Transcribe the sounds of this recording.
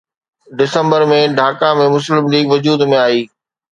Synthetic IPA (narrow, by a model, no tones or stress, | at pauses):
ɖɪsə̃mbəɾmẽɖʱaːkãmẽmʊslɪmliːɡʋʊd͡ʑuːd̪mẽaːiː